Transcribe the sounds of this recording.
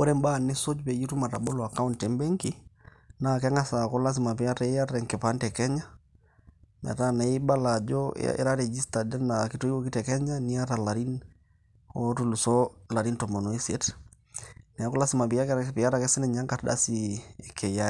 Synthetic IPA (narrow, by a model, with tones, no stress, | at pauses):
ɔ˦ɾɛ˦mba˦˨ne˦so˦d͡ʒpe˨ji˦tu˦ma˨ta˨bo˦lɔ˨a˨ka˦u˦ntɛ˨mbɛ˦ŋki˦na˨kɛ˦ŋa˦sa˨kɔ˦la˦s̬i˨ma˨pi˨ja˦ta˦a˦ɾɛ˨ŋkɛ˨pa˦ntɛ˨kɛ˦ɲa˦ | na̰˨ta˦na˨i˦ba˦la˨d͡ʒɔ̰ḛ˦ɾa˦ɾɛ˨d͡ʒi˦sta˨dɛ˦naki˨to˦i˦wo˦ki˦tɛ˨kɛ˦ɲa˦ni˦a˦ta˨la˨ɾi˦n | ɔ˦tu˦lu˨sɔla˨ɾi˦ntɔ˨mɔ˨no˨i˦se˨t | ni˨a˨˦kɔ˦la˦si˦ma˨pi˨ja˦kpi˨ja˦ɾa˨kɛ˦sɛ˦nɛ˨ɲa˦ŋka˨tɗa̰˦si˨kʰɛ˨ja˦